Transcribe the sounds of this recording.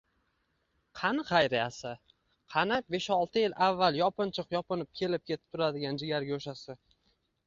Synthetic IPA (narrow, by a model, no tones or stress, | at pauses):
qʰɑnχɑjɾɪjasɪ | qʰɑnap̚be̞ʃɒlˠt̪ʰɪjɪlʔavːalˠjɒpɨnt͡ʃʰɨqjɒpɨnɪp̚kʲʰe̞lɪp̚kʲʰe̞t̪ʰɪ̥p̚t̪ʰʊɾad̪ɪɡʲand͡ʒɪɡʲaɾɡʲaoʃasɪ